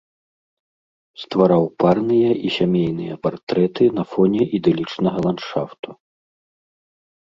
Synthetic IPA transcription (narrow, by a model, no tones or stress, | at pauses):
st̪vaɾawparnɨjɐʔisʲamʲejnɨjɐpart̪ɾɛt̪ɨnɐfɔnʲɛʔid̪ɛlʲit͡ʂnɐɣɐlˠanʂa̰ft̪u̥